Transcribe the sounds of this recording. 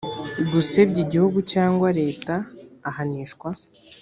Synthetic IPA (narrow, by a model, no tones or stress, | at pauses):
ɡusebɟiɟihuɡucaːŋɡwaɾe̞ːtaːhaniːʃkwa